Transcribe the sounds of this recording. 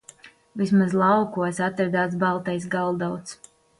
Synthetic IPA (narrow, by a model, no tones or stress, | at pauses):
vismazlˠawkuɔsat̪ɾad̪aːt̪s̬balˠt̪ɛjsɡalˠd̪awt̪s